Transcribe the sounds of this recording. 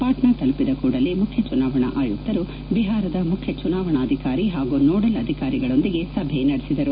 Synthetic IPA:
paːʈnat̪ɐlupid̪ɐkuːɽɐlːimukʰjɐt͡ʃunaːʋɐɳɐ̰ʔaːjut̪ːɐɾu | biɦaːɾɐd̪ɐmukʰjɐt͡ʃunaːʋɐɳɐːd̪ʱikaːɾiɦaːɡunɔːɽɐlɐd̪ʱikaːɾiɡɐɭo̞nd̪iɡe̞sɐbʱenɐɽesid̪ɐɾu

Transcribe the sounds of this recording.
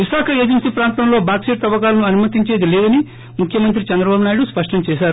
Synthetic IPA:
ʋiʃaːkʰɐeːd͡ʒensiːpɾaːnt̪ɐmlo̞ːbaːkseːʈ̚t̪ɐʋɐkaːlɐnuɐnumɐt̪iɲt͡ʃe̞ːd̪ileːd̪ɐni | mukʰjɐmɐnt̪̬ɾit͡ʃɛnd̪ɾɐbaːbunaːjiɽuspɐʂʈɐmt͡ʃɛːʃaːɾu

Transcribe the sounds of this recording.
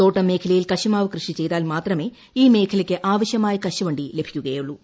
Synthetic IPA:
t̪oːʈːɐme̞ːkʰɐlɐjilkɐɕɐmaːʋɐkrɨʂit͡ɕe̞jt̪aːlmaːt̪rɐme̞ː | iːme̞ːkʰɐlɐkʲːɨʔaːʋɐɕjɐmaːjɐkɐɕɐʋɐɳɖile̞bʱi̥kʲːuɣɐjuɭːu

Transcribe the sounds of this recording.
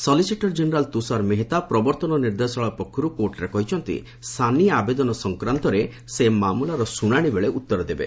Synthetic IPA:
sɔlisiʈɔɾd͡ʒeneɾalt̪usaɾmeɦet̪apɾɔbɔɾt̪ɔnɔniɾd̪esɔɭɔpɔkʰːɔɾukoʈɾekɔɦit͡ʃʰɔnt̪ḭ | st̪ʰaniabed̪ɔnɔsɔŋkɾant̪ɔɾe | semamulaɾɔsuɽaɽ̃ibeɭeʔut̪ːɔɾɔd̪ebḛ

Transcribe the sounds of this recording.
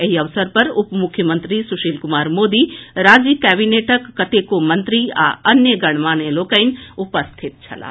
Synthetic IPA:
eɦiɐʋsəɾpɐɾʊpmʊkʰjəmə̃nt̪ɾisuʃiːlkʊmaːɾmoːd̪iɾaːd͡ʒikɛːbineːʈəkːɐt̪ekomɐ̃nt̪ɾia̰ɐnjəɡɐɽ̃ʋaːneloːkəɪnupəst̪ʰit̪̚t͡ʃʰɐ̰la̰ː

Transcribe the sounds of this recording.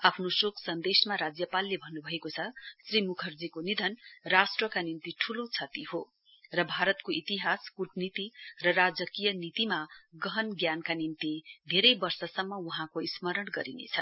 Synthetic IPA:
apʰnosokʰsʌnd̪esmaɾad͡zjʌpalːebʱʌnːubʱʌekot͡sʰʌsrimukʰʌrd͡zikonid̪ʱʌnrasʈrʌkanint̪iʈʰulot͡sʰʌt̪iɦo | rʌbʱaɾʌt̪koʔit̪iɦaskuʈnit̪irʌrad͡zʌkijʌnit̪imaɡʌɦʌnɡjankanint̪id̪ʱeɾʌjbʌrsʌsʌmːʌuɦãkoismʌɾʌnɡʌ̰ɾinḛt͡sʰʌ

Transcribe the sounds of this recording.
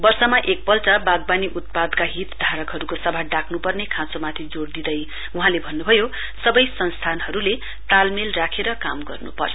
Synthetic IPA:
bʌrsʌmaʔek̚pʌlt͡sʌbaɡ̚baniʔut̪̚pad̪kaɦit̪d̪ʱaɾʌkɦʌɾukosʌbʱaɖakʰnupʌrnekʰãt͡somat̪ʰid͡zoɽd̪id̪ʌj | uɦãlebʱʌnːubʱʌjo | sʌbʌjsʌnst̪ʰanɦʌɾule | t̪almelrakʰeɾʌkamɡʌrnṵpʌ̰rjo

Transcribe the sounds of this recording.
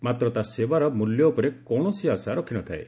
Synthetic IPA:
mat̪ɾɔt̪asebaɾɔmuljɔupɔɾekɔɽ̃ɔsiasaɾɔkʰinɔt̪ʰaḛ

